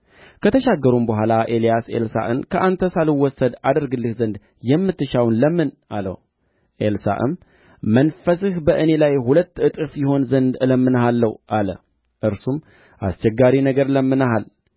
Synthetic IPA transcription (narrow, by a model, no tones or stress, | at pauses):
kʰət̪ʰəʃaɡːəɾumbəɦʷalaʔe̞lijasḛlsa̰ʔɨ̰nkʰəʔant̪ʰəsalɨwːɔsːəd̪ad̪əɾɡɨlːɨhzənd̪ | jɛmːɨt̪ːɨʃawnləmːɨnʔalə̰w | ʔelsa̰ʔɨ̰m | mənfəsɨhbəʔɨne̞lajhulət̪ːɨt̪ʼɨfjɪɦo̞nzənd̪ɨləmːɨnɦalːəwʔalə̰ | ʔɨɾsum | ʔa̰st͡ʃɛɡːaɾinəɡəɾləmːɨnaɦal